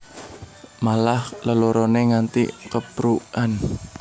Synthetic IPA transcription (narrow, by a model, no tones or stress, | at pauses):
malahləloɾoneŋant̪ḭkəpɾuan